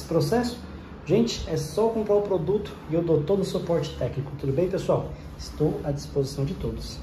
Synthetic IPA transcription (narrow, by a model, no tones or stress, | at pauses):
sɪ̥pɾosɛsʊ̥ | ʒẽnt͡ʃɪ̥ɛsɔkõmpɾaɾʊpɾod̪ut̪ʊ̥ɪewd̪ot̪od̪ʊsupɔɾt͡ʃɪ̥t̪ɛknikʊ̥t̪od̪ʊbẽj̃pesuaw | ɪst̪owɐd͡ʒispozisɐ̃w̃d͡ʒɪt̪od̪ʊs